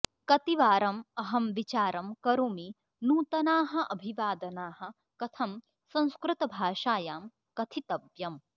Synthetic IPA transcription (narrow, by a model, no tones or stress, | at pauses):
kɐt̪iʋaːɾɐmɐɦɐmʋit͡ʃaːɾɐmkɐɾuːmi | nuːt̪ɐnaːɦɐ̆ʔɐbʱiʋaːd̪ɐnaːɦɐ̆ | kɐt̪ʰɐm | sɐ̃ñskɾɨt̪ɐbʱaːʃaːjaːm | kɐt̪ʰit̪ɐbjɐm